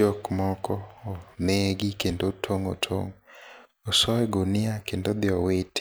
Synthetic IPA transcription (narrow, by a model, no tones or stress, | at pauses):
okmɔkɔoneɡikendotʰoŋo̰tʰo̰ŋ | osɔɛɡonɪakendod̪ɪɔwet